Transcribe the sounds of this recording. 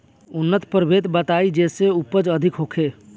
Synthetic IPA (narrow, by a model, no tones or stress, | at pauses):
ʊnːət̪pəɾbʱeːt̪bət̪aːid͡ʒeːseupəd͡ʒəd̪ʱɪkɦoːkʰe